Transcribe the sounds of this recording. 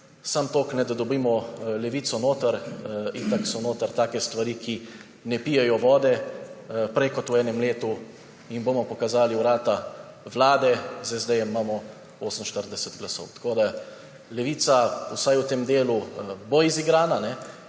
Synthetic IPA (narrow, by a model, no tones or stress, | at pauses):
samt̪oːknɛd̪ad̪ɔbiːmɔlɛʋiːt̪sɔnoːt̪əɾint̪aksɔnoːt̪əɾt̪aːkɛst̪ʋaɾiːkʰi | nɛpiːjɛjɔʋɔːd̪ɛ | pɾɛjkɔt̪uɛːnɛmleːt̪u | inboːmɔpɔkazaːliwɾaːt̪a | ʋlaːd̪ɛzɛzd̪ɛjɛmːaːmɔ | oːsəm̩ʃt̪əɾd̪ɛsɛt̪ɡlaso̰wt̪ḁkoːd̪a | lɛʋiːt̪sausajwt̪eːmd̪eːluboiziɡɾaːnanɛ